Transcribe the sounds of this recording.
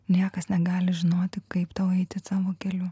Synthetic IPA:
nʲiɛkɐsnʲɛɡɑːlʲɪʒʲɪnoːt̪ʲɪkɐɪpt̪ɐʊɛɪt̪ʲɪsɑːʋoːkʲɛlʲu

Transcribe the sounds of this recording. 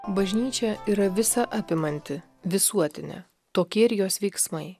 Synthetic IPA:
bɐʒʲnʲiːt͡ʃʲɛiːɾɐʋʲɪsɐʔɐpʲɪmɐnʲt̪ʲɪ | ʋʲɪsuɔt̪ʲɪnʲɛ̰ | t̪oːkʲiɛɪɾʲjoːsʋʲɛɪksmɐɪ

